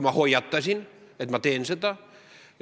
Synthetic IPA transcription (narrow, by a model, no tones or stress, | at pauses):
mɑhojɑt̪ːɑsinet̪mɑt̪eːnsət̪ɑ